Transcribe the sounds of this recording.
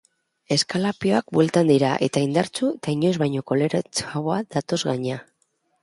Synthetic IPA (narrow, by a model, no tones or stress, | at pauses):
e̞skalapio̞ak̚bwe̞lt̪and̪iɾaʔe̞̰t̪aind̪aɾt͡suet̪aiɲo̞zβajɲo̞ko̞le̞ɾat͡saoað̥at̪o̞zɣaɲa